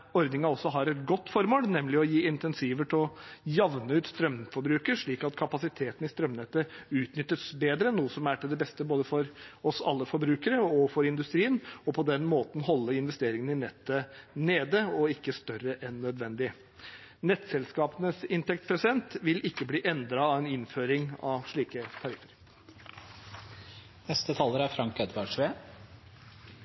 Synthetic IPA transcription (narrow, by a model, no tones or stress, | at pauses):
ɔɾd̪nɪŋɑɔsːɔɦɑɾɛt̪̚ɡɔt̪ːfɔɾmoːlnɛmlɪɔjiːɪnt̪ɛnsiːʋəʈ̪ʰɪlɔjɑʋnəʉːt̪st̪ɾœmfɔɾbɾʉːkəɾʂɭiːkɑt̪kʰɑpɑsɪt̪ʰeːt̪n̩ɪst̪ɾœmnɛt̪ːəʉːt̪nʏt̪ːəsbeːd̪ɾənːuːəsɔmæʈʰɪld̪ɛbɛst̪əboːd̪əfɔɾɔsɑ̰lːəfɔɾbɾʉːkəɾəɔfɔɾɪnd̪ʉst̪ɾiːənɔpʰɔd̪ɛnmoːt̪n̩ɦɔlːəɪnʋɛst̪eːɾɪŋənɪnɛt̪ːəneːd̪əɔɪkːəst̪œɾəʔɛnːœd̪ʋɛnd̪ɪ | nɛt̪ːsɛlskɑːpənəsɪnt̪ɛk̚t̪pʰɾɛsɪd̪ɛnt̪ʋɪlʔɪkːəbliːʔɛnd̪ɾɑɑʋɛnɪnføːɾɪŋɑ̰ʋʂɭiːkət̪ʰɑɾɪfəɾ | nɛst̪ət̪ʰɑːləɾæɾfɾɑŋkɛd̪ʋɑɖʂʋeː